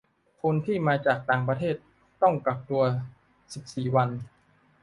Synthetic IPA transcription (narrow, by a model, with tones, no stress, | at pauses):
kʰo˧nt̪ʰiː˥˩maː˧t͡ɕaː˨˩k̚t̪aː˨˩ŋp̬ɾa˧t̪ʰeː˥˩t̪̚ː | ɔ˥˩ŋka˨˩p̚t̪u˧ɐ | si˨˩p̚siː˨˩wa˧n